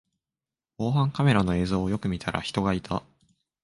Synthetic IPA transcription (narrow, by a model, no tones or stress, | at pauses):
ko̞ːɦãŋkame̞ɾano̞e̞ːzo̞ːjo̞kɯ̟mʲit̪ʰaɾa̰çi̥t̪o̞ɡait̪ʰa